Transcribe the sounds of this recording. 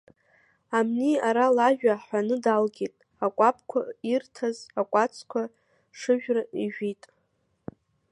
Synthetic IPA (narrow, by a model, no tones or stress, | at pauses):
amniaɾalaʒᶣaħanɨdalɡʲitʼ | akʷʼapʰʼkʷʰairtʰazakʷʼat͡sʰkʷʰa | ʂɨʒᶣraiʒᶣitʼ